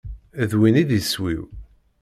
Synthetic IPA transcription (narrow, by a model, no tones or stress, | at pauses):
ðwinid̪swḭw